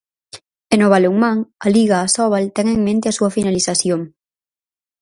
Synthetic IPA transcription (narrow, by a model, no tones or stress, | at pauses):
enoβaluŋmãŋaliɣaːsɔβalt̪eŋeŋmẽnt̪easuafinaliθasjoŋ